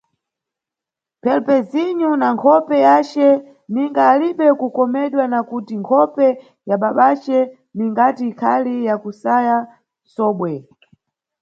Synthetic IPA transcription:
pʰɛlpɛziɲunaŋkʰɔpɛjat͡ʃɛ | niŋɡaːliɓɛkukɔmɛɗwanakutiŋkʰɔpɛ | jaɓaɓat͡ʃɛ | niŋɡatiːkʰalijakusaja | sɔːɓwɛ

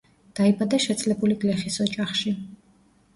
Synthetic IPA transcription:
d̪̥aibad̪aʃɛt̪sʼlɛbuliɡlɛχisɔt͡ʃʼaχʃi

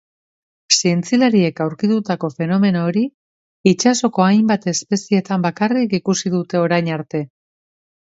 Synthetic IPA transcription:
sie̞nt͡silaɾie̞kawɾkit̪ut̪ako̞fe̞no̞me̞no̞ːɾi | it͡ʃaso̞ko̞ajmbat̪e̞spe̞sie̞t̪ambakarikikusiðut̪e̞o̞ɾajɲaɾt̪e̞

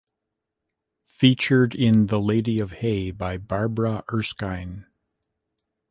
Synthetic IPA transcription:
fit͡ʃə˞ɾɪ̃nðəleɪɾiʌv̥heɪbaɪbɑɹbɹəʔɜ˞skãɪ̃n

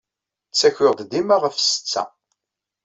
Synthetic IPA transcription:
t͡sːæçʊʁd̪d̪imaʁəfsə̥t͡sːæ̰

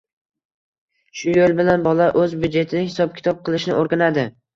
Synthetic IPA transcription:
ʃʊjolˠbɪlanbɒlˠaʔɵzbʊd͡ʒe̞t̪ʰɪnɪhɪsɒp̚kʲʰɪ̥t̪ʰɒp̚qʰɨlˠɪʃnɪ̰ʔoɾɡʲanad̪ɪ

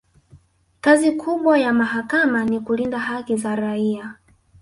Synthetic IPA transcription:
kazikʰuɓwajamaɦakamanikulindahakizaɾaia

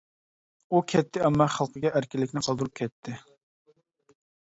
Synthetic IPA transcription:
ukʲʰɛt̪ʰːɪɛmːɑχɑlˠqʰəɡʲɛʔæɾkʲɪlːɪkʲnɪqʰɑlˠd̪ɾup̚kʲʰɛt̪ʰːɪ

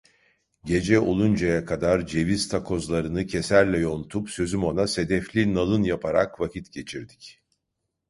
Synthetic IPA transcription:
ɟe̞d͡ʒɛolˠund͡ʒajakʰad̪aɾd͡ʒe̞viz̥t̪ʰakʰo̞zlˠaɾɯnɯcʰe̞sæɾlʲɛjo̞nut̪ʰupsø̞zymo̞nase̞d̪ɛflʲinalˠɯnjapʰaɾa̰kvacʰit̪ɟe̞t͡ʃʰiɾd̪i̥c

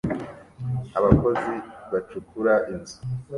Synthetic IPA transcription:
aβako̞ziβat͡ʃukuɾaʔinzu̥

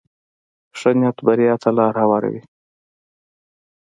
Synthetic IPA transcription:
ʂənjat̪baɾijɑt̪ʰalɑːɾhawɑːɾa̰wḭ

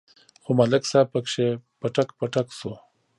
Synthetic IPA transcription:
xomalɪksaːb̚pɐkʂepaʈakpaʈakso

